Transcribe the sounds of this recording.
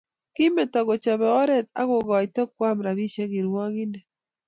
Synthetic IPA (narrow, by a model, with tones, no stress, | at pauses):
ki˦me˨ta˨ɣo˨t͡ʃa˨βɛ˨ɔ˦ɾɛ˦t̚a̰˦ɣo˨ɣa˨itɛ˦kwa˦mɾa˨βi˦ʃɛ˦ɣi˨ɾwɔ˦ɣi˦nɛ˨